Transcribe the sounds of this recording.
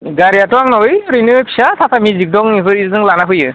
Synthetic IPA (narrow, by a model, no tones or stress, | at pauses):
ɡaɾijatɔaŋnɔjɾɯjnɯpʰi̥sasʰapʰamizik̚dɔŋiɦɯɾizɯŋlanapʰɯjɯ